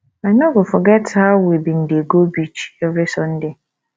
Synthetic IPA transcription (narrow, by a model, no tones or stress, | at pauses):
ãɲɔ̃ɡʊfɔɡɛtʰaːwebin̩deɡobit͡ɕi̥ɛɾɪsɔn̩dɪ